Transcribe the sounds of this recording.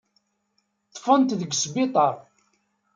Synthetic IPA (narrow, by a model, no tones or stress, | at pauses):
t̪ːˤfənt̪ðəɡsbɪt̪ˤɑɾˤ